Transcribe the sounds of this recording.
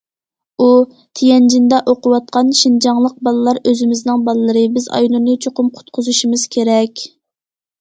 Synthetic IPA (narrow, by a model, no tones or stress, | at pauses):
u | t̪ʰijɛnd͡ʒind̪ɛʔoqʊwɑt̪̚qʰɑnʃind͡ʒɑŋlˠəq̚bɑlˠɨlˠɑɾøzɪmɪznɪŋbɑlˠɨlˠɨɾɨbɪzɑ̰jlˠunɨt͡ʃʰoqʊmqʰʊ̥t̪̚qʰʊzuʃimɨz̥kʲʰeɾɛkʲ